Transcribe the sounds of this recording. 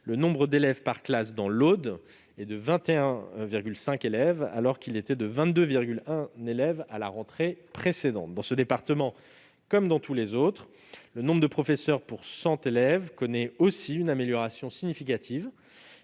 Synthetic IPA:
lənɔ̃bʁəd̪elɛvpaʁklasd̪ɑ̃lod̪ | ɛd̪əvɛ̃t̪eɛ̃viʁɡʲylsɛ̃kelɛva̰lɔʁkʲilet̪ɛd̪əvɛ̃t̪d̪øviʁɡʲylɛ̃nelɛvala̰ʁɑ̃t̪χepχesed̪ɑ̃t̪̚d̪ɑ̃səd̪epaʁt̪əmɑ̃ | kɔmd̪ɑ̃t̪ʰulezot̪χ | lənɔ̃bʁd̪əpχɔfɛsœʁpuʁsɑ̃t̪elɛvkɔnɛosiynameljɔʁasjɔ̃siɲifikat̪ʰiv

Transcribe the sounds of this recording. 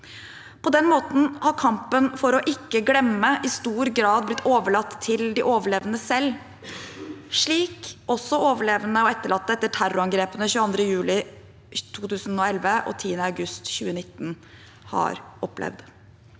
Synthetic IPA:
pʰɔd̪ɛnmoːt̪n̩hɑɾkʰɑmpənfɔɾɔʔɪkːəɡɽɛmːəʔɪst̪uːɾɡɾɑːd̪̚blɪt̪ʰːoːʋəɭɑt̪ʰːɪld̪ɪʔoːʋəɭeːʋnəsɛlː | ʂɭiːkʔɔsːɔoːʋəɭeːʋənəɔɛt̪ːəɭɑt̪ːəɛt̪ːəʈʰæɾʊɑŋɡɾeːpənəɕʉːəɑnd̪ɾəjʉːlɪ | t̪ʰuːt̪ʉːsnɔɛlʋəʔɔ̰t̪ʰiːənəɑʉɡʉst̪çʉːənɪt̪ːn̩ | hɑ̰ɾʔɔplɛ̰ʋd̪

